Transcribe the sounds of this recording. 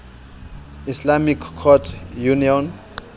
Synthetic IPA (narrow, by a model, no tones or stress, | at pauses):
islamikʰːɔtʰjuniɔn